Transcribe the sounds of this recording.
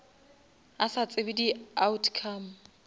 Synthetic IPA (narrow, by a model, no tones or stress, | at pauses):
asat͡sʼɪbidiautʰkʰaːm̩